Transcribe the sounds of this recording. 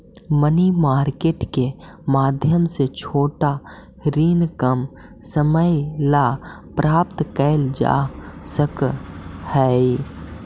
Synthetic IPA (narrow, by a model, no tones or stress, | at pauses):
mənimaːɾkeːʈkemaːd̪ʱjəmset͡ʃʰoːʈa | ɾiːnkəm | səməjlapɾaːp̚t̪kəɪld͡ʒa̰ːsək | hɛi